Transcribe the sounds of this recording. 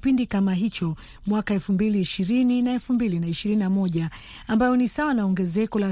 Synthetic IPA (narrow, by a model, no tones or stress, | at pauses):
pindikamaɦit͡ʃɔ | mwakaɛlfumbiliːʃiɾininaɛlfumbilinaiʃiɾininamɔʄa | ambajɔnisawanaɔŋɡɛzɛkɔla